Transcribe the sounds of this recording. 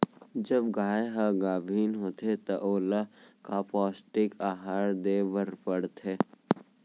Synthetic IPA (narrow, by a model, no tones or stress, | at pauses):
d͡ʒəbɡaːeɦaɡaːbʱiːnɦoːt̪et̪ɐʔoːlakapɔːsʈɪkaːɦaɾd̪eːʋəɾpəɽt̪ʰeː